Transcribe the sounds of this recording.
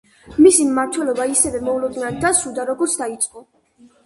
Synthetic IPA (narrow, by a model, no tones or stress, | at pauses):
misimmaɾt̪ʰwɛlɔbaisɛvɛmɔulɔd̪ninand̪asud̪aɾɔɡɔɾt̪sʰd̪ait̪sʼqʼɔ